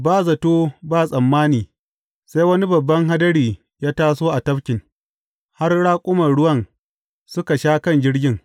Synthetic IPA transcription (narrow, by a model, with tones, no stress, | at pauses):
baː˦˨zɐ˨toː˦baː˦˨sʼɐ˨mːaː˦niː˨ | sa˦jwɐ˦ni˦bɐ˨bːɐ˦ŋɦa˦dɐ˦ɽiː˨ | jaː˦taː˦soː˦ʔa˨tɐ˦ɸkʲɪ˨ŋ | ha˦rɽaː˦kʷʼʊ˦mɐ˨rɽʊ˦wɐ˦n | sʊ˦ka˨ʃaː˦kɐ˦nd͡ʒɪ˦ɽɡʲɪ˦ŋ